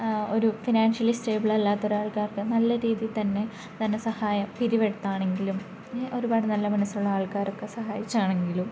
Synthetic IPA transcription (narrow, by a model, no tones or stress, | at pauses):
o̞ɾufinaːnʂjɐlisʈe̞ːbiɭɐlːaːt̪ːo̞ɾuaːɭkaːrkɨnɐlːɐɾiːðilt̪ɐnːe̞ | t̪ɐnːesɐhaːjɐmpiɾiʋeɽut̪ːaːɳe̞ŋɡilum | ʔo̞ɾubaːɽɨnɐlːɐmɐnɐsːɐɾuɭːɐaːɭkaːɾokːe̞sɐɦaːjit͡ɕːaːɳe̞ŋɡilum